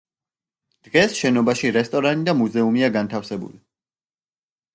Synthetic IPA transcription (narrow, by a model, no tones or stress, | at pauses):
d̪̥ʁɛsʃɛnɔbaʃiɾɛst̪ʼɔɾanid̪amuzɛumiaɡant̪ʰafsɛbṵli